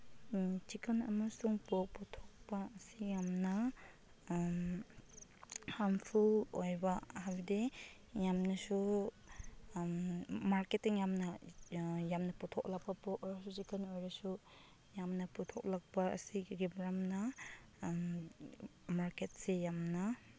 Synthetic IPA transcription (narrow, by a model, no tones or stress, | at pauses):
t͡ʃikɐnɐ̰masuŋpɔk̚putʰɔk̚paɐsijamnɐ | hampʰuojbahabde | jamnɐsu | maɾketiŋjamnɐ | jamnɐputʰɔk̚lak̚pɐpɔkɾasut͡ʃikɐnojɾasu | jamnɐputʰɔk̚lak̚paɐ̰siɡibɾamna | maɾket̚sejamna